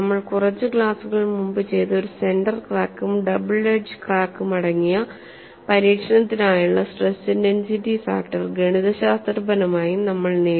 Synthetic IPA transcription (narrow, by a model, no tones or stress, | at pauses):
ɐmːɐɭkurɐt͡ɕːɨɡɭaːsuɣɐɭmumbɨt͡ɕe̞jt̪oɾuse̞nɖɐrkraːkːumɖɐbɨɭeɖd͡ʑɨkraːkːumɐɽɐŋːijɐ | pɐɾiːkʂɐnɐt̪ːinaːjuɭːɐsʈresːɨnensiʈifa̰ːkʈɐrɡeɳiðɐɕaːst̪rbɐnɐmaːjinɐmːɐɭneː